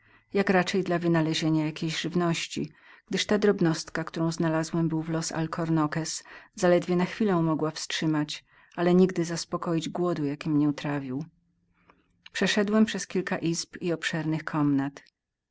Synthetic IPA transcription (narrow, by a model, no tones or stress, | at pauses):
jakɾat͡ʂɛjd̪lavɘnalɛʑeɲajakʲejʑʐɘvnɔɕt͡ɕḭ | ɡ̥d̪ɘʂt̪ad̪ɾɔbnɔst̪kakt̪uɾɔ̃w̃znalazwɛmbɘwvlɔsa̰lkʰɔɾnɔkɛszalɛd̪vʲjɛnaxfʲilɛ̃mɔɡwafstʂɘmat͡ɕ | alɛɲiɡd̪ɘzaspɔkɔjid͡ʑɡwɔd̪ujakʲimɲɛut̪ɾavʲiw | pʂɛʂɛd̪wɛmpʂɛskʲilka̰ʔizpiɔpʂɛɾnɘxkʰɔmnat̪